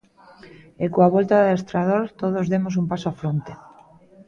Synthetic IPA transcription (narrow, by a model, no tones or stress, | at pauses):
ekoaβolt̪aðest̪ɾað̞oɾt̪oðozðemos̬umpasoafɾont̪e̥